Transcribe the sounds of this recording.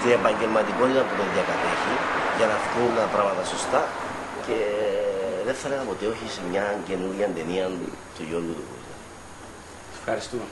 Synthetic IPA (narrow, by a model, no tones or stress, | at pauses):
t̪iepɐɲɟe̞lmɐt̪iko̞nit̪ɐmpuneðjɐkɐt̪eçiʝɐnɐft̪unpɾɐmɐt̪ɐso̞st̪ɐ | ce̞ | ðefθelenɐpo̞t̪eo̞çisemɲɐnce̞nuɾʝɐnd̪eniɐnt̪ujo̞ɾɣɡut̪ukṵzɐ̰ | efxɐɾist̪ume